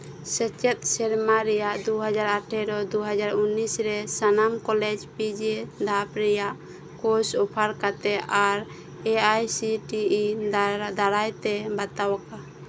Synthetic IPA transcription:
sɛt͡ʃɛt̪̚sɛɾmaɾɛjaʔd̪uɦad͡ʒaɾaʈʰɛɾɔd̪uɦad͡ʒaɾunːisɾɛsanamkɔlɛd͡ʒpid͡ʒɛd̪ʱapɾɛjaʔ | kosupʰaɾkat̪ɛʔaɾ | eajsiʈiid̪aɾajt̪ɛbat̪awaka

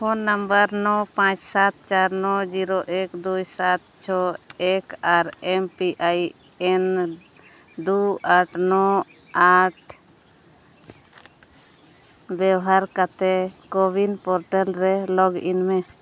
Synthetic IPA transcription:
hɔnːəmbəɾnɔpãt͡ʃsat̪̚t͡ʃaɾnɔd͡ʒiɾɔʔɛkd̪ujsat̪̚t͡ʃʰɔɛkaɾɛmpiʔaj | ɛn | d̪uaʈnɔ | aʈ | bɛwɦaɾkat̪ɛkɔbinpɔɾʈɛlɾɛlɔɡʔḭnmɛ

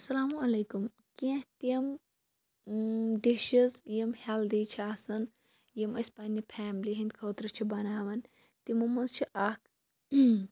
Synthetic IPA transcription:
ɐsɐlaːmuɐleːkum | kĩht̪im | ɖiʃizjimheld̪iːt͡ʃʰiaːsɐn | jimɐsʲpanʲipʰaːmliɦind̪ʲkʰoːt̪ɾɨt͡ʃʰibɐnaːʋɐn | t̪imɐmɐnzt͡ʃʰiʔaːk

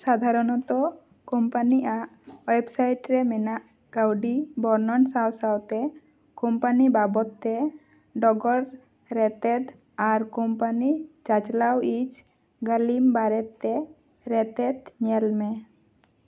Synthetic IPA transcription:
sad̪ʱaɾɔnɔt̪ɔ | kɔmpaniʔaʔwejbsajʈɾɛmɛnaʔ | ɡ̥awɖibɔɾnɔnsawsawt̪ɛ | kɔmpanibabɔt̪ːɛ | ɖɔɡɔɾ | ɾɛt̪ɛd̪ | aɾkɔmpanid͡ʒat͡ʃlawid͡ʒ | ɡalimbaɾɛt̪ːɛ | ɾɛt̪ɛd̪ɲɛlmɛ

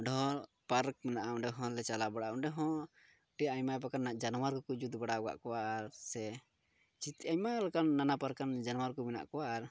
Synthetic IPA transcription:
ɖʱɔɔ̃ | paɾk̚mɛnaʔaɔ̃ɳɖɛɦɔ̃lɛt͡ʃalabaɽaɔɳɖɛɦɔ̃ | ʈijaʔaɲmap̬akanːaʔd͡ʒanwaɾkɔkud͡ʒud̪baɽaɔɡa̰ʔkɔwaːɾsɛ | t͡ʃit̪aɲmalɛkanːanapaɾkːand͡ʒanɔwaɾkɔmɛna̰ʔkɔwaʔːɾ

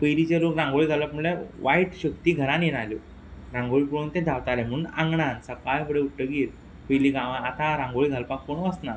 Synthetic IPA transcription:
pəjlit͡ɕelokɾãŋɡoɭiɡʱaləpməɳleʋaiʈɕəkt̪iːɡʱəɾãnjenalo | ɾãŋɡoɭipuɽunt̪ẽd̪ʱaʋt̪alem̤əunã̰ŋɡɳansəkajfʰəɽeuʈːəɡiːɾ | pəjliɡãʋãat̪ãɾãŋɡoɭiɡʱalpakːoɳ̃ʋəsna

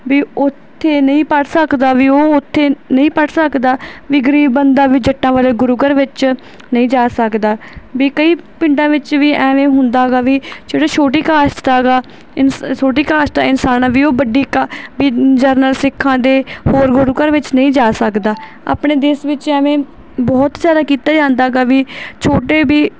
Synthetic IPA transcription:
ʋiːʊt̪ʰːeːnəĩːpəʈsəkd̪aːʋiːoːʊt̪ʰːeːnəĩːpəʈsəkd̪aːʋiːɡəɾiːbbənd̪aːʋiːd͡ʒəʈːãːʋaːleːɡʊɾʊɡəɾʋɪt͡ʃ | nəĩːd͡ʒaːsəkd̪aːʋiːkəiːpɪ̃ɳɖãːʋɪt͡ʃʋiːɛ̃ːʋẽːɦʊnd̪aːɡaːʋiːd͡ʒeːɽaːt͡ʃʰoːʈiːkaːst̪aːɡaː | ɪnsoːʈiːkaːʃt̪aːɪnsaːnãːʋiːoːbəɖiːkabiːd͡ʒəɾnəlsɪkʰːãːd̪eːhoːɾɡʊɾʊɡəɾʋɪt͡ʃnəĩːd͡ʒaːsəkd̪aː | a̰ːpɳeːd̪eːsʋɪt͡ʃɛ̃ːʋẽː | bɔːt̪zjaːd̪aːkiːt̪aːd͡ʒãːnd̪aːɡaːʋiːt͡ʃʰoːʈeːbiː

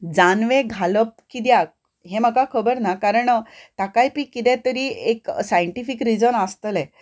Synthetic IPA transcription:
d͡zanʋẽɡʱaləp̚kid̪jak̚ | ɦem̤əkakʰəbəɾnakaɾəɳət̪akajpiːkit̪ɛ̃t̪əɾiːeksajəɳʈifikɾid͡zənəst̪əlɛ

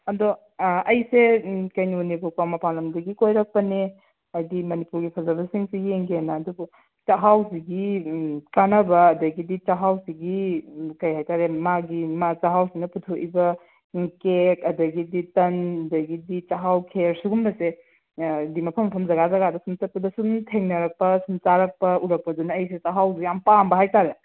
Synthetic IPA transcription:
ɐdo | ɐjsekɐjnunibukawmɐpanlɐmdɐɡikojɾɐk̚pɐne | ɐjdimɐnipuɾɡipʰɐzɐbɐsiŋsieŋɡenɐːdubu | t͡ʃaɦaws̬iɡikanɐbɐːdɐɡidit͡ʃaɦawsiɡikɐjhajtaɾemaɡimat͡ʃaɦawsinɐputʰoʔibɐ | kekɐdɐɡiditɐnɐdɐɡidit͡ʃaɦawkʰeɾsuɡumbɐse | dimɐpʰɐmːɐpʰɐmzɐɡazɐɡadɐsumtɐt̚pɐdɐsumtʰeŋnɐɾɐk̚pɐsumt͡ʃaɾɐk̚pɐuɾɐk̚pɐdunɐːjs̬et͡ʃaɦawzijampambɐɦajtaɾe

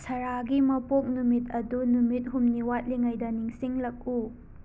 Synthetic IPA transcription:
sɐɾaɡimɐpok̚numitɐdunumit̚ɦumniwat̚liŋajdɐniŋsiŋlɐk̚u

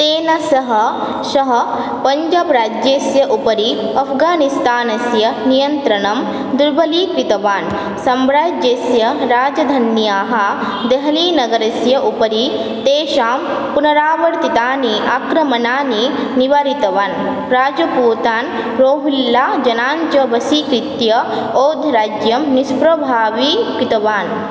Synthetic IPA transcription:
t̪eːnɐsɐɦɐ̆ | ʃɐɦɐ̆ | pɐɲd͡ʒɐbɾaːd͡ʒjeːsjɐʔupɐɾiɐpʰɡaːnist̪aːnɐsjɐnijɐnt̪ɾɐɳɐm | d̪uɾbʱɐliːkɾit̪ɐʋaːn | sɐmɾaːd͡ʒeːsjɐɾaːd͡ʒɐd̪ʱɐnjaːɦɐ | d̪eɦɐliːnɐɡɐɾɐsjɐʔupɐɾi | t̪eːʃaːm | punɐɾaːʋɐɽt̪it̪aːniʔakɾɐmɐnaːniniʋaːɾit̪ɐʋaːn | ɾaːd͡ʒɐpuːt̪aːn | ɾoːɦulːaːd͡ʒɐnaːɲt͡ʃɐbɐsikɾit̪jɐoːd̪ʱɾaːd͡ʒjɐmnispɾɐbʱaːʋikit̪ɐʋaːn

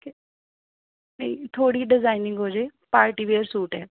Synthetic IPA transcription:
ke | nɐit̪ʰoːɽiːɖɪzaːɪnɪ̃ŋɡɦod͡ʒeːpaːɾʈiʋeəɾsuːʈɛː

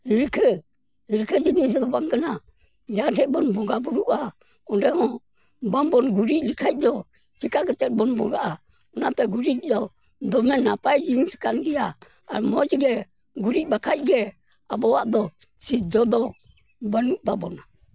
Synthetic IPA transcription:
hiɾkʰɛ | hiɾkʰɛd͡ʒinis̬d̪ɔbaŋɡana | d͡ʒaɾɛbɔnbɔŋɡabuɾuʔa | ɔndɛhɔ̃ | bambɔnɡuɾiʔlikʰaj̚d̪ɔ | d͡ʒikaɡɛt͡ʃɛt̪̚bɔnbɔ̰ŋɡaʔa | ɔnat̪ɛɡuɾikdɔ | d̪ɔmɛnapad͡ʒiŋsi̥kanɡia̰ː | ɾmɔd͡ʒɛɡɛ | ɡuɾibakʰaj̚ɡɛ | abɔwaʔd̪ɔ | sid͡ʒɔd̪ɔ | banuʔdabɔna

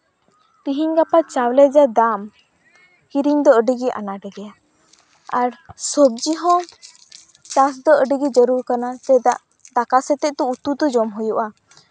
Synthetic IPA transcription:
t̪iɦiɲɡapat͡ʃawlɛd͡ʒad̪am | kiɾiɲd̪ɔəɖəɡiʔa̰naɖɛɡɛja | aɾsɔb̚d͡ʒiɦɔ̃ | t͡ʃas̬d̪ɔəɖəɡid͡ʒəɾuɾkanat̪ɛd̪aʔ | d̪akasɛt̪ɛʔ̚t̪uut̪ud̪ɔd͡ʒɔmɦujuʔa

